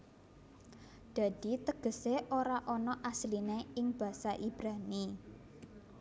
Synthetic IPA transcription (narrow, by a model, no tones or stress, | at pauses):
d̪̥a̤d̪̥i̤t̪əɡ̥ə̤seʔoɾaʔɔnɔʔaslineɪŋb̥ä̤saʔib̥ɾani